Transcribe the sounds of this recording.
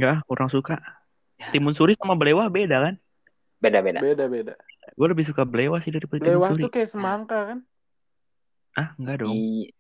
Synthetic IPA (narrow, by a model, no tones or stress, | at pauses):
ŋɡakuɾʔaŋsuka | t̪imʊnsuɾisamabəlewahbedakan | bedabedabedabedaɡualəbɪhs̬ukabəlewahsɪhdaɾipədib̪liewahsuɾiukajaʔsəmaŋkakan | ʔahŋɡaʔdɔŋ